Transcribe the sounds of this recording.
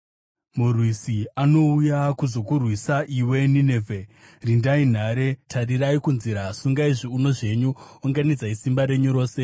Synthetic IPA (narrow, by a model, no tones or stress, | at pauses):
murwisiano̞ujakuzo̞kurwisaʔiwe̞ninevʱe | rindain̤aɾe̞tʰariraikunziɾasuŋɡaiʐiuno̞ʐe̞ɲuoŋɡanid͡zaisimbaɾe̞ɲuɾo̞ːse̞